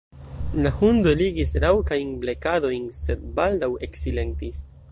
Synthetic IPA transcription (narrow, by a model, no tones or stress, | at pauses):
lahund̪oliɡisɾawkajnble̞kado̞jnse̞d̪̚baldawe̞ksile̞ntis